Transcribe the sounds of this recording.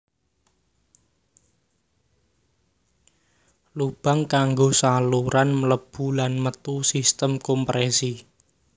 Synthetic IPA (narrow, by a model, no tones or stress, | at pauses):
lub̥a̤ŋkaŋɡosaluɾanmələb̥ṳlanmət̪usist̪əmkɔmpɾʔesi